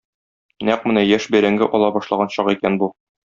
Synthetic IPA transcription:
næq̚mɘ̆næjæʃbæɾæŋɡɘʔɒlˠɑbɒʃlˠɑʁɑnɕɒqikænbu

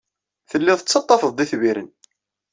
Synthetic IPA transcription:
θəlːɪðˤət͡sːɑt̪ˤːɑfəðˤd̪iθviɾən

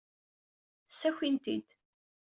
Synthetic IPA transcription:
sːæçint̪ḭd̪

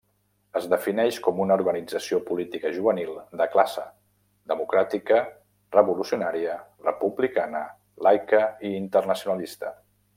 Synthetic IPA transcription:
əzðəfinɛʃkɔmunəuɾɣənid͡zəsiopulit̪ikəʒuβənilˠd̪əklasə | d̪əmukɾat̪ikə | rəβulusiunaɾiərəpuβlikanə | lajkəiːnt̪ərnəsiunəlist̪ə

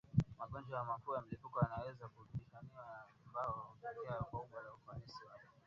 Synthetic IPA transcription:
maɓɔnd͡ʒɔjamakuːjam̩lipukɔjanawɛzakuuɓiʃaniwaja | mbaɔupɔkɛakɔuɓwalaufanisiwaka

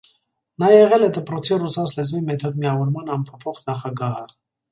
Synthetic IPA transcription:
nɑjɛʁɛlɛd̪əpɾɔt͡sʰirusɑslɛzmimɛt̪ʰɔd̪miɑvɔɾmɑnɑmpʰɔpʰɔχnɑχɑɡɑhə

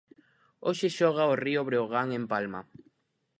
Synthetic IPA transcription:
oʃeʃɔɣaorioβɾeoɣaŋempalma̰

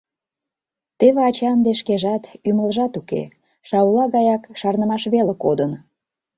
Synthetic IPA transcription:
t̪eβeɑt͡ɕɑnd̪eʃkeʒɑt̪yməlʒɑt̪ukḛ | ʃɑwlɑɣɑjɑkʃɑrnəmɑʃβelekod̪ən

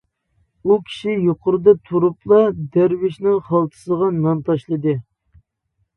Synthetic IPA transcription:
ukʲʰi̥ʃijoqʊɾɨd̪ɑt̪ʰuɾuplˠɑd̪æɾwɪʃnɪŋχɑlˠt̪ʰɨ̥səʁɑnɑnt̪ʰɑʃlˠɨd̪ɨ

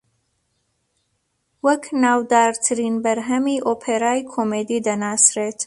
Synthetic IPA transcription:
wəkʰnawd̪ɑɾt̪ʰɾinbəɾɦamiʔopʰeɾɑjkʰomed̪id̪anɑsɾet̪

